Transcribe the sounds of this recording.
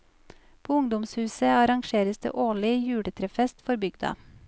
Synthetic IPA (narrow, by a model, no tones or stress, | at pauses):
pʰoːʊŋd̪ʊmshʉːsəɑɾɑŋʃeːɾəsd̪ḛːʔoːlɪjʉːɽət̪ʰɾɛfɛst̪fɔɾbʏɡd̪ɑ̰